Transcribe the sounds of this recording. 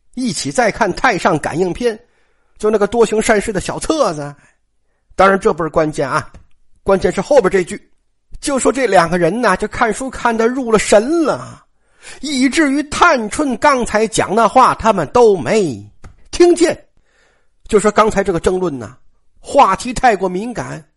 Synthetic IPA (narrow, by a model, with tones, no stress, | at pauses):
i˥˩t͡ɕʰi˨˩t͡sa˥˧ɪkʰa˥˧nt̪ʰa˥˧ɪʂɑ˥˩ŋka̰˨˩ni˥˩ŋpʰjɛ˥n | t͡ɕjo˥˧ʊna˥˩ɡə˩t̪wɔ˥ɕʊ˧˥ŋʂa˥˧nʂɻ̩˥˩d̪ə˩ɕjɑ˨˩ʊt͡sʰɤ˥˧t͡sa˧˥ | t̪ɑ˥ŋɻa˧˥nʈ͡ʂɤ˥˩pu˥˩kwa˥nt͡ɕjɛ˥˩nɐ˩ | kwa˥nt͡ɕjɛ˥˧nʂɻ̩˥˧xo˥˧ʊpɛ˥˧˥ʈ͡ʂe˥˧t͡ɕy˥˩ | t͡ɕjo˥˩ʊʂwɔ˥ʈ͡ʂɤ˥˩ljɑ˨˩ŋɡə˦ɻə˧˥nɐ˨t͡ɕjo˥˧ʊkʰa˥˩nʂu˥kʰa˥˩nd̪ə˧ɻu˥˩lə˩ʂə˧˥nlə̰˨ | i˥˩ʈ͡ʂɻ̩˥˩y˧˥t̪ʰa˥˩nʈ͡ʂʰwə˥˩nkɑ˥ŋt͡sʰa˧˥ɪt͡ɕjɑ̰˨˩ŋd̪ə˧xwa˥˩t̪ʰa˥mə˨nt̪o˥ʊme˧˥ɪt̪ʰi˥ŋt͡ɕjɛ˥˩n | t͡ɕjo˥˧ʊʂwɔ˥kɑ˥ŋt͡sʰa˧˥ɪʈ͡ʂɤ˥˩ə˩ʈ͡ʂɤ˥˧ŋlwə˥˩nɐ̰˩ | xwa˥˩t̪ʰi˧˥t̪ʰa˥˩ɪkwɔ˧˥mi˧˥nka̰˨˩˦n